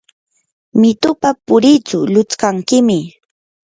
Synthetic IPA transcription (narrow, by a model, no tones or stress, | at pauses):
mɪt̪ʊpapʊɾit͡sʊlʊt͡skaŋkɪmɪ